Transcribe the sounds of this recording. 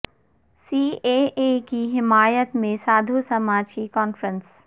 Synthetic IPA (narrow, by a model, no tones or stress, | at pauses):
siːeːʔeːkiɦɪmaːjət̪mẽsaːd̪ʱusɐmaːd͡ʑikɔːnfɾə̃ns